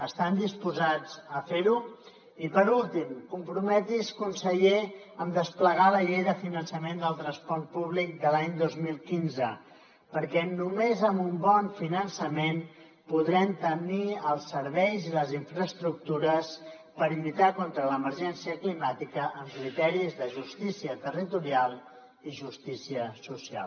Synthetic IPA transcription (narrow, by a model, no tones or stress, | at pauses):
əst̪and̪ispuzad͡zəfeɾu | ipəɾulˠt̪imkumpɾumɛt̪iskunsəʎe | əmd̪əspləɣ̞aləʎejðəfinənsəmend̪əlˠt̪ɾənspɔɾt̪̚puβ̞lik̚d̪əlaɲd̪ozmilˠkinzə | pəɾkɛnumezəmbumbɔnfinənsəmen | puðɾɛmt̪əniəlˠsːəɾβɛjziləziɱfɾəst̪ɾuk̚t̪uɾəs | pəɾilit̪akont̪ɾələməɾʒɛnsiəklimat̪ikəʔəmkɾit̪ɛɾizðəʒust̪isiət̪ərit̪uɾialˠ | iʒust̪isiəsusia̰lˠ